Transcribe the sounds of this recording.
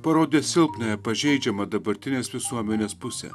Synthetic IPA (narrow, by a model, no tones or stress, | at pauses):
pɐɾoːd̪ʲeːsʲɪlˠpnɐjɛpɐʒʲɛɪd͡ʒʲɛmɐd̪ɐbɐɾʲt̪ʲɪnʲeːsʋʲɪsuɔmʲɛnʲeːspʊsʲɛ̰